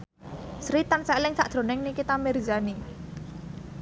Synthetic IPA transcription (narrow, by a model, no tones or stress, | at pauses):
sɾit̪ansɛlɪŋsaʔd̪̥ɾo̤nɪŋnikit̪amɛrzani